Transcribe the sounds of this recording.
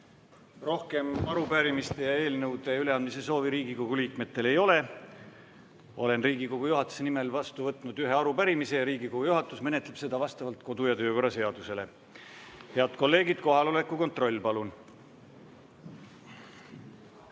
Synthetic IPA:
ro̞hke̞mɑɾupæɾimist̪e̞jɑe̞ːlnɤwd̪̥e̞yle̞ɑnd̪mise̞so̞ːviɾiːɡiko̞ɡ̥uliːkme̞t̪ːˑe̞le̞jo̞le̞ | o̞̰le̞nriːɡ̥iko̞ɡ̥ujuɦɑt̪ːˑu̥senime̞lvɑst̪uvɤt̪ˑnud̪̥yɦeɑɾupæɾimise̞jɑɾiːɡiko̞ɡ̥ujuɦɑt̪ːˑusme̞net̪ːˑleb̥se̞d̪̥ɑvɑst̪ɑvɑlt̪ko̞d̪ujɑt̪ø̞ːko̞ɾɑse̞ɑd̪̥use̞le̞ | he̞ɑd̪ko̞lːe̞ːɡid̪̥̚ko̞ɦɑlo̞le̞kːˑuko̞nt̪ro̞lʲːpɑlun

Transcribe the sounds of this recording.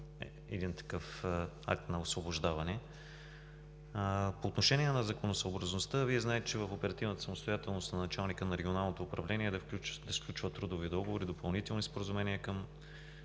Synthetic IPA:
ɛ̰d̪int̪ɐ̥kɤf | a̰k̚t̪nɐosvoboʒd̪avɐnɛ | poːt̪noʃɛniɛnɐzɐkonosəobɾɐznost̪əviɛznaɛt̪ɛt͡ʃɛvəfopɛɾɐt̪ivnət̪ə̥sɐmost̪ojat̪ɛlˠnost̪nɐnɐt͡ʃalˠnikənɐɾɛɡʲionalˠnot̪oːpɾɐvlɛniɛd̪ɐfd̪ɐsklʲut͡ʃvət̪ːɾud̪ʊvid̪ɔɡovoɾid̪opɐlˠnit̪ɛlˠnispoɾəzumɛniəkɤm

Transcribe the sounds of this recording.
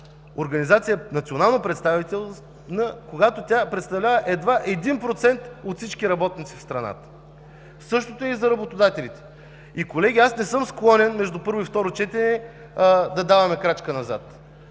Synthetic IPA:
oɾɡɐnizat̪sijənɐt̪sionalˠnopɾɛt̪st̪avit̪ɛlˠ | nəkoɡat̪ot̪ʲapɾɛt̪st̪ɐvlʲavəʔɛd̪vaʔɛd̪inpɾot̪sɛnt̪ot̪fsit͡ʃkʲiɾɐbɔt̪nit̪sifst̪ɾɐna̰t̪ə̥ | sɤʃt̪ot̪oɛizɐɾɐbot̪od̪at̪ɛlit̪ɛ̥ | ikolɛɡʲiasnɛsɤmsklˠɔnɛnmɛʒd̪upɤɾvoift̪ɔɾot͡ʃɛt̪ɛnɛ | d̪ɐd̪avɐmɛkɾat͡ʃkənɐza̰t̪

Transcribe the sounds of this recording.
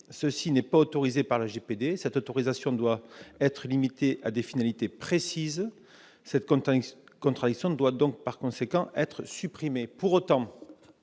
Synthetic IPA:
səsinɛpaot̪ɔʁizepaʁlaʒeped̪esɛt̪ot̪ɔʁizasjɔ̃d̪waɛt̪χəlimit̪eʔad̪efinalit̪epχesiz | sɛt̪ | kɔ̃nt̪χad̪iksjɔ̃d̪wad̪ɔ̃ŋk̚paʁkɔ̃sekɑ̃ʔɛt̪χəsypχimepuʁot̪ɑ̃

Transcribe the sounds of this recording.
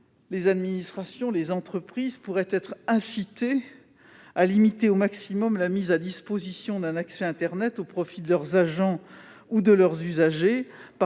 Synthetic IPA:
lezad̪minist̪χasjɔ̃lezɑ̃t̪χəpχizpuʁɛt̪ɛt̪χɛ̃sit̪e | alimit̪eomaksimɔmlamizad̪ispozisjɔ̃d̪ɛ̃naksɛɛ̃t̪ɛʁnɛt̪opχɔfid̪əlœʁzaʒɑ̃ | ud̪əlœʁzyzaʒep

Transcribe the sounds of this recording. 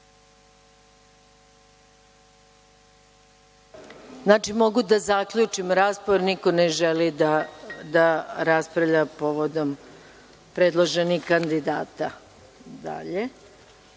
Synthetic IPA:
znaːt͡ʃimo̞ɡud̪azakʎut͡ʂimɾaːspoɾnikoneʒelid̪ad̪aɾaspɾavʎapo̞ʋod̪o̞m | pɾeːd̪lˠoʒe̞nixkand̪id̪aːt̪a | d̪a̰ʎe̞

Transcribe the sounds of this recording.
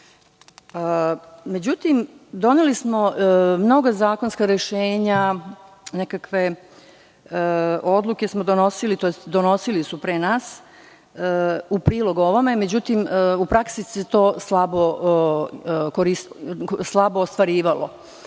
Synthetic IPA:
me̞d͡ʑut̪imd̪o̞nelismo̞mno̞ɡazaːko̞nskaɾeʃeːɲa | nekakʋe̞ | o̞d̪lˠuke̞smod̪o̞no̞silit̪ojest̪d̪ono̞silisupɾenaːs | upɾiːlo̞ɡoʋomeme̞d͡ʑut̪imupɾaksiset̪o̞ːslˠabo | koɾisslˠaboːst̪ʋaɾiːʋalo̰

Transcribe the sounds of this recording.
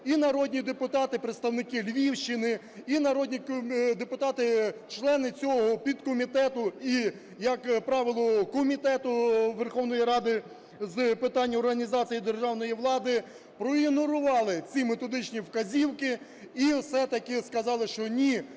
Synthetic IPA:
inɐɾɔd̪ʲnʲid̪epʊt̪ɑt̪ɪpɾet̪st̪ɐwnɪkɪlʲʋʲiwʃt͡ʃɪnɪ | inɐɾɔd̪ʲnʲikd̪epʊt̪ɑt̪ɪt͡ʃlˠɛnɪt͡sʲɔɦɔpʲid̪kɔmʲit̪ɛt̪ʊi | jɐkpɾɑʋʲɪlˠɔkɔmʲit̪ɛt̪ʊʋerxɔwnɔjiɾɑd̪ɪ | zpɪt̪ɑnʲːɐɔrɦɐnʲizɑt͡sʲijid̪erʒɑwn̪ɔjiʋlˠɑd̪ɪ | pɾɔinʊɾʊʋɑlˠɪt͡sʲimet̪ɔd̪ɪt͡ʃnʲiwkɐzʲiwkɪ | isɛt̪ɐkɪskɐzɑlˠɪʃt͡ʃɔnʲi

